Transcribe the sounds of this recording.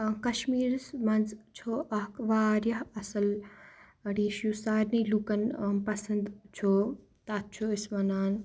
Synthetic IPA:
kɐʃmiːɾsmɐnzt͡ʃʰoʔɐɦkʋaːɾjɐɦɐsɐl | ɐɽiʃjusaːɾnilukɐnpɐsɐnd̪t͡ʃʰo | t̪aːt̪̚t͡ʃʰoismɐnaːn

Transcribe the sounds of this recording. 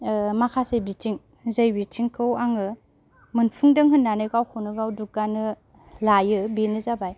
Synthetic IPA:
makʰasebitʰiŋ | zəjbitʰiŋkʰɯwaŋɯ | mɯnpʰuŋdɯŋɦɯnːanɯɡawkʰonɯɡawduk̚ɡanɯ | lajɯbenɯzabaj

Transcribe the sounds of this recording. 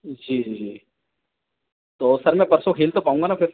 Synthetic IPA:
d͡ʒiːd͡ʒiːd͡ʒi | t̪oːsɐɾmɛ̃pɐɾsokʰeːlt̪opaːũŋɡanafʰɪɾ

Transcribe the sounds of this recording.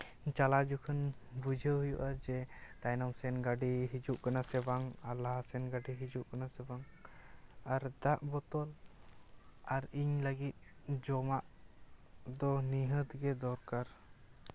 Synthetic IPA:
t͡ʃalad͡ʒukʰən | bud͡ʒʱəɦujuʔad͡ʒɛt̪ajnɔmsɛnɡaɖiɦid͡ʒuʔkanasɛbaŋalaɦsɛnɡaɖiɦid͡ʒuʔkanasɛbaŋ | aɾd̪aʔbɔt̪ɔl | aɾiɲləɡit̪̚d͡ʒɔmaʔ | d̪ɔniɦət̪ɡɛd̪ɔɾkaɾ

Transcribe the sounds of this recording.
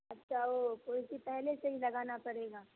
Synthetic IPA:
ɐtːʃʰaoːkoːɪsipɛɦleseɦilɐɡaːnapɐɽeːɡaː

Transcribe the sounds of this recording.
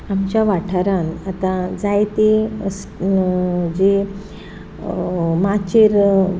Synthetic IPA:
amt͡ɕjaʋaʈʰaɾanat̪ãd͡zajt̪es | d͡ʑe | mat͡ɕeɾ

